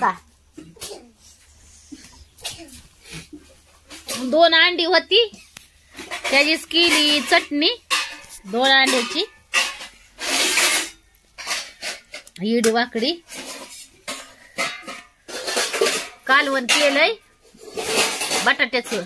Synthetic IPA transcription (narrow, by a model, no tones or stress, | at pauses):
a | d̪onaɳɖiɦot̪i | t̪jad͡ʑiːskilit͡səʈni | d̪onaɳɖjat͡ɕi | jiɽiʋakɽi | kalʋənkeləj | bəʈaʈet͡su